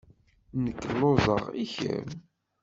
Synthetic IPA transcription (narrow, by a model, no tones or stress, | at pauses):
nəkːəlozˤəʁiçə̰m